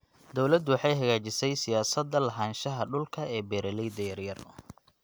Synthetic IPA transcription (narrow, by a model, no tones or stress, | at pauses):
d̪ɔwlɐd̪wɑħɑjɦɐɣaːt͡ʃɪsɛjsɪjaːsɐd̪ɐlɐɦaːnʃɐɦɐɖʊlkʰɐɛːbɛːɾɛlɛjd̪ɐjɐrjɐr